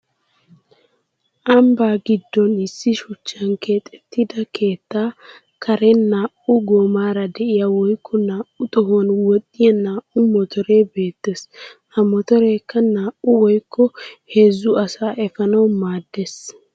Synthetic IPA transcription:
ʔɐmbaːɡɪd̪ːɔnɪsːɪʃɔt͡ʃːɐnkʰe̞ːt̪ʼɛ̥t̪ːɪd̪ɐkʰe̞ːt̪ːaː | kʰɐɾɛnaːʔʊɡoːmaːɾɐd̪ɛʔɪjɐwɔjkːɔnaːʔʊt̪ʼɔɦonwɔt̪ʼːɪjɐnaːʔʊmɔt̪ʰɔɾeːbe̞ːt̪ːes | ɐmɔt̪ɔɾeːkːɐnaːʔʊwɔjkːɔheːzːʊɐsaːʔɛfɐnɐwmaːd̪ːes

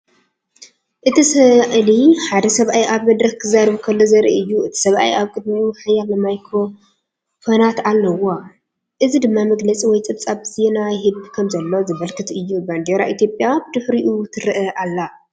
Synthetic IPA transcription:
ʔɨt̪ʰisɐʔliħad̪ɐsɐβʔajiʔaβmɐd̪ɾɐxk̪ʰɨzaɾɐβukʰɐlːozɐɾḭɨjːuʔɨt̪ʰi̥sɐβʔa̰jaβkʼɨd̪miuħajːalɐmajkʰɾo̞ | fonat̪alːɐwa | ʔɨzid̪ɨmːamɐɡlɐt͡sʼiwɔjt͡sʼɨβt͡sʼaβzenajɦɨbkʰɐmzɐlːozɨβɐlkʰɨt̪ʰɨjːuband̪eɾaʔit̪ijo̞pʼjabɨd̪ɨħɾiʔut̪ʰɨɾɨʔɐʔalːa

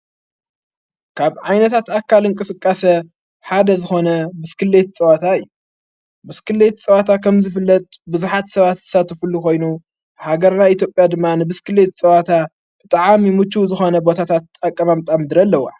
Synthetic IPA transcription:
kʰaβʕajnɐt̪ʰat̪akʰːalɨŋkʼɨsɨkʼːasɐ | ħad̪ɐzɨxo̞nɐbɨskɨlet̪̚t͡sʼɐwat̪ʰaɨjːu | bɨskʰɨlːet̪t͡sʼɐwat̪ʰakʰɐmzɨfɨlːɐt̪ʼbɨzuħat̪sɐβat̪zɨ̥sat̪ʰɐfulukʰo̞jnu | haɡɐɾnajit̪ʰjo̞pʼjad̪ɨmːanɨbɨskɨlːet̪t͡sʼɐβat̪ʰa | b̥ɨt̪ʼaʕamimɨt͡ʃːuzɨxo̞nɐbo̞t̪ʰat̪ʰat̪ʼakʼːɐmamt̪ʼamd̪ɨɾɐlːɐwa

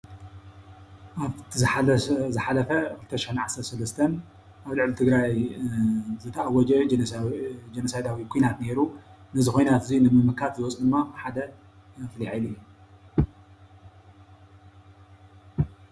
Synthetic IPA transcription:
ʔaβt̪ħazɨħalɐfɐkʰɨlt̪ʰɐʃɪħunʕasɐɾt̪sɐlɐst̪ʰɐn | ʔaβlɨʕlit̪ʰɨɡɾaj | zɨt̪ʰɐʔawːɔd͡ʒɐd͡ʒ | d͡ʒenosajd̪awikʰujnat̪ne̞ɾunɐzixo̞jnat̪ɨzinɨmɨmɨkʰat̪zɨwɔt͡sʼd̪ɨmːabɨħad̪ɐ | ɐfliʕilɨjːu

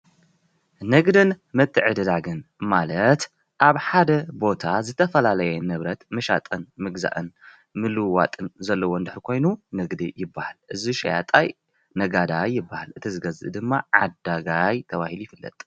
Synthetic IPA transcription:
nɐɡd̪ɨn | mɐt̪ʰːɨʕɨd̪ɨd̪aɡɨnmalɐt̪ | ʔaβħad̪ɐbo̞t̪ʰazɨt̪ʰɐfɐlalɐjɛnɨβɾɐt̪mɐʃa̰t̪ʼɨnmɨɡza̰ʔɨn | mɨlɨwa̰t̪ʼɨnzɐlːɐwond̪ɨħɾikʰo̞jnunɐɡd̪ijɪbːahalʔɨziʃa̰ja̰t̪ʼaj | nɐɡad̪ajːɪbːahalʔɨt̪ʰizɨɡɐzɨ̰d̪ɨmːaʕad̪aɡajt̪ʰɐβahilujɪfɨlːɐ̰t̪ʼ

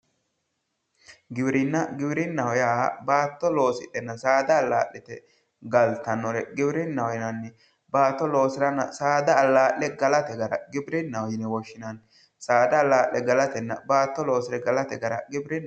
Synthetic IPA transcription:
ɡɪbɪɾɪnːɐɡɪbɪɾɪnːɐhɔjaːbaːt̪ːɔlo̞ːsɪt̪ːɛnːɐsaːd̪ɐːlːa̰ːʔːɛt̪ɛ̰ | ɡɐlt̪ːɐnːɔɾɛɡɪbɪɾɪnːɐhɔjɪnɐnːɛ | baːt̪ːɔlo̞ːsɪɾɐnːɐsaːd̪ɐːlːaːʔlɛɡɐlɐt̪ɛɡɐɾɐ̰ɡɪbɪɾɪnːɐwɔjɪnɛwɔʃːɪnɐn | saːd̪ɐːlːaːʔɛɡɐlɐt̪ɛnːɐbaːt̪ːɔlo̞ːsɪɾɛɡɐlɐt̪ɛɡɐɾɐɡɪbɾɪn

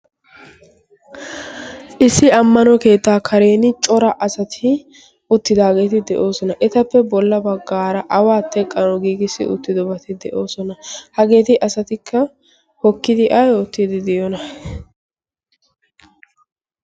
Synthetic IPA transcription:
ʔɪsːɪɐmːɐnɔke̞ːt̪ːaːkʰɐɾe̞ːnɪt͡ʃʼɔɾɐʔɐsɐt̪ʰɪ | ʊt̪ːɪd̪aːɡe̞ːt̪ɪd̪ɛʔo̞ːsɔnɐʔɛt̪ɐpːɛbɔlːɐbɐɡːaːɾɐʔɐwaːt̪ːɛkʼːɐnɔɡiːɡɪsːɪ̰ʔʊ̰t̪ːɪd̪ɔbɐt̪ɪd̪ɛ̰ʔoːsɔnɐhɐɡe̞ːt̪ɪʔɐsɐt̪ɪkʰːɐ | hɔkːɪd̪ɪʔɐjoːt̪ːid̪ɪd̪ɛjɔnɐ

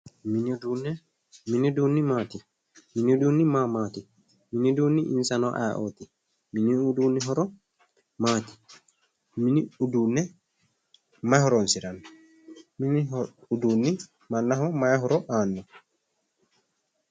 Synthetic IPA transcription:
minun | minidunimati | minidunimamati | miniduniʔḭnsanɔʔa̰ʔɔti | miniuduniɦɔɾɔ | maːti̥ | miniudunɛ | majhɔɾɔnsiɾan | miniuduni | manːaɦɔmajaɦɔɾɔʔanːɔ

